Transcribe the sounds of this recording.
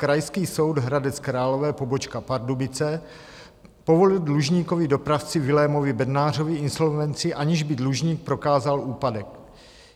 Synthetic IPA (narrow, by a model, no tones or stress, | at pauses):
kɾajskiːso̞wdɦɾadɛt͡skɾaːlo̞vɛːpo̞bot͡ʃkapaɾdubɪt͡sɛ | po̞vo̞lɪldluʒɲiːko̞vɪdo̞pɾaft͡sɪvɪlɛmo̞vɪbɛdnaːr̝o̞vɪɪnso̞lvɛnt͡sɪʔaɲɪʒbɪdluʒɲiːk̚pɾo̞kaːzalʔuːpadɛk̚